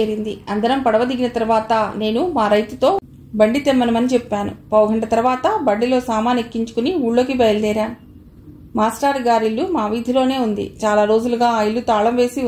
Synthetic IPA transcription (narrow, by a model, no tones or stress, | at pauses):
eːɾind̪iɐnd̪ɐɾɐmpɐɽɐʋɐd̪iɡinɐt̪ɐɾuʋaːt̪ɐne̞ːnumaːɾɐjt̪ut̪o̞ː | bɐɳɖit̪emːɐnɐmɐnit͡ʃɛpːaːnṵpɐwɡɐɳɖɐt̪ɐɾuʋaːt̪ɐbɐɳɖilo̞ːsaːmaːnikːiɲt͡ʃu̥kuniuːɭːoːkibɐjɐld̪ɛːɾaːnu | maːsʈaːɾɡaːɾilːumaːʋid̪ʱilo̞ːne̞ːund̪ḭt͡ʃaːlaːɾo̞ːd͡ʒuluɡaːjilːut̪aːɭɐmʋe̞ːsi